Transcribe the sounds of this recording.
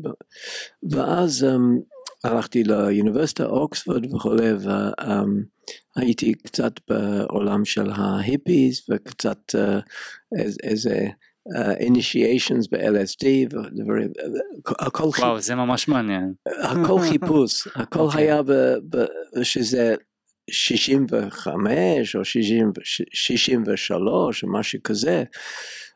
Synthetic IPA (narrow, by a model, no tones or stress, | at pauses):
vəʔazɛmalaχtiləjunɪvɛɾsɪ̥tʰa̰ʔɔksfɔdvəχulevə̰ɛm | hajitʰikt͡satb̥əo̰lamʃɛlɦaɦɪpizvəkt͡satɛ | ḛzḛ | ɛʔḭniʃieɪʃə̃nzbəʔɛ̰lɛsdivəd̪əva̰ɹḭ | hakʰɔlwawzɛmamaʃmaanjɛnhakʰɔlχipushakʰɔlɦajabəbəʃəzɛ | ʃiʃimvəχa̰mɛʃoʃiʃimvʃiʃimvəʃa̰loʃmaʃukʰazɛ